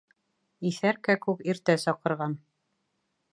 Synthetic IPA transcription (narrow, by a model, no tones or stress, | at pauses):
iθæɾkækʉkiɾt̪æsɑqɤ̆ɾʁɑn